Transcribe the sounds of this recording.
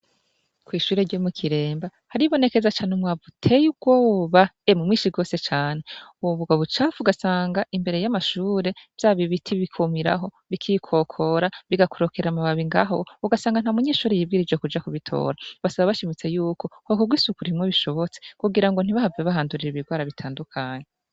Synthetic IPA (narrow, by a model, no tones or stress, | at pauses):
kwiːʃuːɾeɾɟoːmukʰiɾe̞ːmba | haɾiβo̞ne̞ke̞zat͡ʃaːneumwavutʰejub̚ɡo̞ːβaemumŋiːʃiɡo̞ːse̞t͡ʃaːne̞uwoβuɡaβut͡ʃaːvuɡasaːŋɡaʔimbe̞ɾe̞jamaʃuːɾe̞vjaːβiβitʰiβikʰumiɾa̰ɦo̞ | βikʰikʰo̞kʰo̞ɾaβiɡakuɾo̞kʰeɾeamaβaβiŋɡa̰ɦouɡasaːŋɡan̥amuɲeːʃuːɾejiːb̚ɡiɾid͡ʒekud͡ʒakuβitʰo̰ːɾaβasaβaβaʃimit͡se̞juːkʰo̞kokuɡwisukuɾimŋweβiʃo̞βo̞t͡sekuɡiɾaŋɡo̞n̥iβahaveβaɦaːnduɾiɾiβiɡwaːɾaβitʰaːndukʰaːɲe